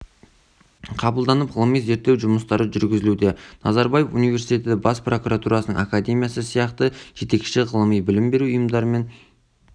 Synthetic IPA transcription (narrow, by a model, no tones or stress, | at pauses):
qʰɑbəlˠd̪ɑnəpʁəlˠəmijze̞ɾt̪ːe̞wʒʊməst̪ɑɾəʒʏɾɡʲɪzɪlud̪e̞nɑzɑɾbɑje̞funijve̞ɾsijt̪ʲe̞t̪ɪɪbɑspro̞kuɾat̪uɾɑsənəŋakad̪e̞mʲijasəsijɑqt̪əʒ̥e̞t̪e̞kʃɪʁəlˠəmijbɪlɪmbe̞ɾuʊjəmd̪ɑɾəme̞n